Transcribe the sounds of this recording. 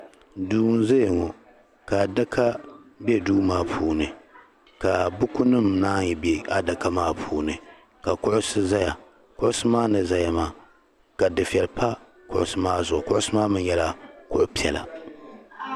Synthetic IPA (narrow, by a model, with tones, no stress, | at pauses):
duː˦n˦ze˦˨ŋɔ˨ | ka˨da˦kʰa˦be˦duː˦maː˦pʰuː˨nɨ˨ | ka˨bʊ˦kʊ˦nɨ˦˨mnaː˦jɛ˨be˦a˨da˨ka˦maː˦pʰuː˦nɨ˨ | ka˨kʊ˦ʔʊ˦sɨ˦za˦ja˨ | kʊ˦ʔʊ˦sɨ˦maː˦nɨ˨za˨ja˨maː˦ | ka˨dɨ˨fi˨ɛ˨lpa˦ | kʊ˨ʔʊ̰˨sɨ˦maː˦zʊ˨ʊ˨kʊ˦ʔʊ˦sɨ˦maː˦mɨ˦n˦jɛ˦la˨kʊ˦˨ʔʊ˦pi˦ɛ˨la̰˨